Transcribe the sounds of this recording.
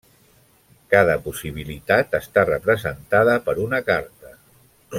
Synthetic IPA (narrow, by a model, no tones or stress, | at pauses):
kaðəpusiβ̞ilit̪at̪əst̪arəpɾəzənt̪aðəpəɾunəkaɾt̪ə